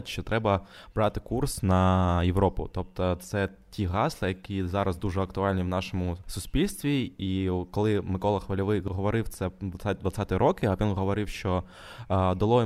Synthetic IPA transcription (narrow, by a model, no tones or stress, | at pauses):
tʲʃt͡ʃɔt̪ɾɛbɐb̥ɾɑt̪ɪ̥kursnɐjeʋɾɔpʊ̰t̪ɔp̚t̪ɔt̪sɛ | tʲiɦɑslˠɪjɐkʲizɑɾɐzd̪uʒɛɐkt̪ʊɑlʲnʲiwnɑʃɔmʊsʊsʲpʲilʲst̪ʋʲiikɔlˠɪmɪkɔlˠɐxʋɐlʲɔʋɪɦɔʋɔɾɪwt̪sɛd̪ʋɐad̪ʋɐt̪sʲɑt̪jɾɔkɪɐʋʲinɦɔʋɔɾɪwʃt͡ʃɔ | d̪ɐlˠɔ